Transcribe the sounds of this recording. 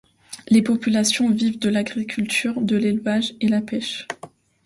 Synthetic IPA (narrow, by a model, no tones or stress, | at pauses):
lepɔpylasjɔ̃vivd̪əlaɡʁikʲʰylt̪yʁd̪əlelvaʒelapɛʃ